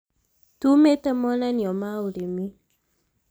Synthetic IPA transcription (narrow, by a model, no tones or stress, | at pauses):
tumetamɔnaniɔmauɾemi